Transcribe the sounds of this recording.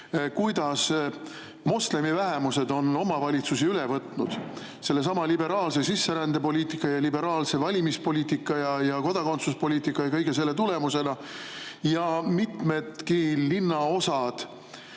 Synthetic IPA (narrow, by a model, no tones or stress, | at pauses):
kujd̪ɑs | mo̞sle̞mivæɦe̞muse̞d̪o̞no̞mɑvɑlʲit̪susiylevɤt̪ˑnud̪̥ | se̞lːe̞s̬ɑmɑlibe̞ɾɑːlse̞sisːe̞ɾænd̪̥epo̞lʲiːt̪ikːˑɑjɑlibe̞ɾɑːlse̞vɑlʲimispo̞lʲiːt̪ikˑːɑjɑjɑko̞d̪̥ɑko̞nt̪suspo̞lʲiːt̪ikːˑɑjɑkɤjɡ̥es̬e̞lːe̞t̪̬ule̞muse̞nɑ | jɑmit̪me̞d̪kilinːɑo̞sɑd̪̥